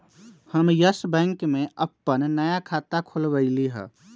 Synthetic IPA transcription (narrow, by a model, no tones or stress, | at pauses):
həmjəsbɛ̃ːŋkmẽʔəpːənnəjakʰaːt̪akʰolbəɪliɦɛ̰̃ː